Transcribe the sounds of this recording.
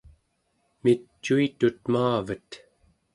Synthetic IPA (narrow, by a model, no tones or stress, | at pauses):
mit͡ʃːuit̪ut̪̚maːvət̪